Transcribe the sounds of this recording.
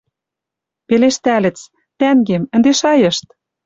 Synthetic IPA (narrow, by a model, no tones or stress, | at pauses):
peleʃt̪ælɘ̆t͡s | t̪æŋɡemɘ̆nd̪eʃɑjɤ̆ʃt̪̚